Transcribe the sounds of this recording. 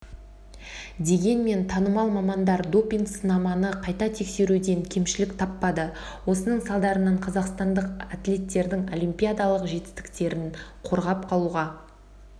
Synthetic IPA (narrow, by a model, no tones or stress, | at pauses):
d̪e̞ɡʲe̞nme̞nt̪ʰɑnəmɑlˠmɑmɑnd̪ɑɾd̪o̞pʲiŋɡsənɑmɑnəqʰɑjt̪ɑt̪ʰe̞kse̞ɾud̪e̞ŋkʲʰe̞mʃɪlɪkt̪ʰɑpːɑd̪ə | wo̞sənəɴsɑlˠd̪ɑɾənɑɴqʰɑzɑqst̪ɑnd̪əqat̪lʲe̞t̪ːe̞ɾd̪ɪŋo̞lʲˠimpʲijad̪ɑlˠəqʒe̞t̪ɪ̥st̪ɪ̥kt̪e̞ɾɪnqʰo̞ɾʁɑp̚qʰɑlˠuʁɑ